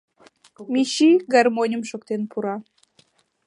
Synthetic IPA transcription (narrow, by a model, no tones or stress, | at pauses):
mʲiɕiɡɑrmonʲəmʃokt̪enpʰuɾɑ